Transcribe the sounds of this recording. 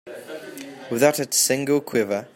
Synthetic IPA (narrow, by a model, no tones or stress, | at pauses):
wɪðaʊtɪtsɪ̃ŋɡəlˠkʰw̥ɪvə